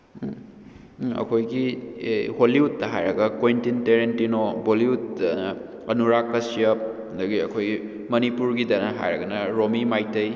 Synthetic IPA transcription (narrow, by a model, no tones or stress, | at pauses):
ɐ̰kʰojɡi | holiut̚ːɐɦajɾɐɡɐkojntinteɾentinoboliut̚ːɐnɐɐnuɾakːɐsiɐp̚ɐndɐɡiɐ̰kʰoj | mɐnipuɾɡidɐnɐɦa̰jɾɐɡɐnɐɾomimajtɐj